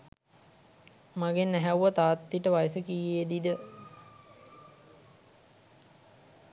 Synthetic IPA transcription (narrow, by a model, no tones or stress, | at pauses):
maɡenæɦæwʋat̪aːt̪ːiʈəʋajəsəkijeːd̪id̪ə